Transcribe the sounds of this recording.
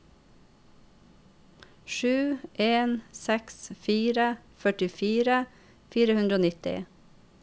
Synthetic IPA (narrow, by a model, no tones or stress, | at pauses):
ʃʉːʔeːnsɛksfiːɾəfœʈɪfiːɾə | fiːɾəhʉnd̪ɾəoːnɪt̪ɪ̰